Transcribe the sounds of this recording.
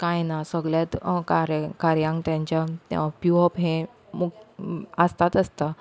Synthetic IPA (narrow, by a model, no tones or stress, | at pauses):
kajnasəɡɭljat̪kaɾkaɾjãŋkt̪jãɲt͡ɕjapjuɔpɦẽ | məɡəst̪at̪əst̪a